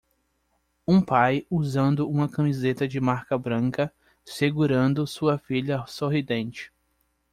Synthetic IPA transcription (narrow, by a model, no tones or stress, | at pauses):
ũpajuzɐ̃nd̪ʊũmɐkɐ̃mizet̪ɐd͡ʒɪmaɾkɐbɾɐ̃kɐ | seɡuɾɐ̃nd̪ʊsuɐfiʎɐsoɦid̪ẽnt͡ʃɪ̥